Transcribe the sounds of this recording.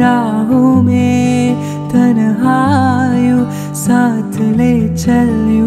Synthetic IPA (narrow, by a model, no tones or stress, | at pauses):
ɾaːɦume | t̪ɐnɦaju | saːt̪ʰleːt͡ʃɐlju